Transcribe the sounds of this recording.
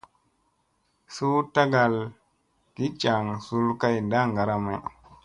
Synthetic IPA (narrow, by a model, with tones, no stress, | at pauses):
su˦ta˦ɡa˨l | ki˨˦t͡ʃa˨ŋsu˦lka˦jnda˦ŋɡa˨ɾa˨ma˨